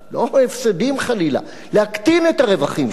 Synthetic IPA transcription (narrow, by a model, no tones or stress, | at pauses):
loefsed̪imχalila̰ | lehakt̪inet̪aʁe̞vaχim